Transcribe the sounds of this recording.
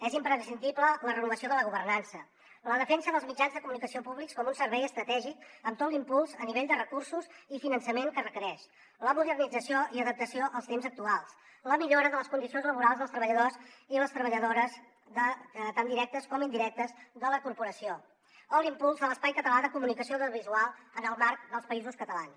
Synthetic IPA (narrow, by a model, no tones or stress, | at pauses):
ɛzimpɾəsind̪iblələrənuβəsioðələɣuβərnansə | ləðəfɛnsəðəlˠzmid͡ʒanzðəkumunikəsiopuβlikskɔmunsəɾβɛjəst̪ɾət̪ɛʒik̚əmt̪ot̪limpulˠzəniβeʎd̪ərəkursuzifinənsəmeŋkərəkəɾɛʃ | ləmuðərnid͡zəsioiəðəp̚t̪əsioʔəlˠst̪emzək̚t̪ualˠs | ləmiʎoɾəðələskund̪isionzləβuɾalˠzðəlˠst̪ɾəβəʎəðoziləst̪ɾəβəʎəðoɾəz | ðət̪and̪iɾɛk̚t̪əskɔmind̪iɾɛk̚t̪əzðələkuɾpuɾəsio | əlimpulˠzðələspajkət̪əlaðəkumunikəsioðəβizualˠənəlˠmaɾk̚d̪əlˠspəizuskət̪əlans